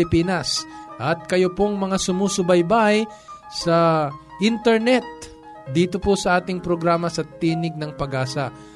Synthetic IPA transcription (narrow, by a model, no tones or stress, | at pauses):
ɪpiːnɐsʔɐt̪̚kɐjopoŋmɐŋasʊmusʊbɐjbaj | sɐ | ʔint̪ɛɹnɛt̪̚ | d̪iːt̪o̞posɐʔaːt̪ɪŋpɾoɡɾaːmɐsɐt̪iːnɪɡ̚nɐŋpɐɡaːsɐ